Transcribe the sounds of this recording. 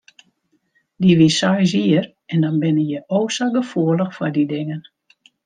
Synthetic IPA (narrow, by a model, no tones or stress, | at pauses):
diʋisɔjz̬iər | ɛndɔnbɪnəjəʔoːsaɡəfuələxfɔdidɪŋən